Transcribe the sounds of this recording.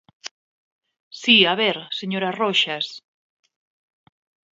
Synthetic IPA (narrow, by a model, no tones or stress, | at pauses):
siaβeɾseɲoɾaroʃas